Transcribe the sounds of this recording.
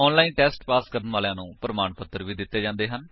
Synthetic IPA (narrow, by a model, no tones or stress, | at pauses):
ɔːnlaːiːnʈɛːsʈpaːskəɾənʋaːleãːnũːpəɾəmaːɳpət̪ːəɾʋiːd̪ɪt̪ːeːd͡ʒãːnd̪eːɦən